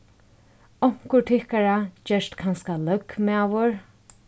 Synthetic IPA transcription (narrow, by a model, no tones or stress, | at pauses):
ɔŋ̥kʊɹʈʰɪhkaɹad͡ʒɛʂt̪kʰanskalœkmɛaʋʊɹ